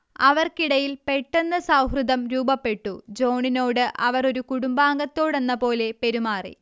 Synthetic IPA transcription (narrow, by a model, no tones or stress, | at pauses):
ɐʋɐrkiɽɐjilpe̞ʈːenːɐsɐwɦrɨd̪ɐmɾuːbɐpːe̞ʈːud͡ʑo̞ːɳinoːɽɨʔɐʋɐro̞ɾukuɽumbaːŋɡɐt̪ːo̞ːɽe̞nːɐpo̞ːle̞pe̞ɾumaːrḭ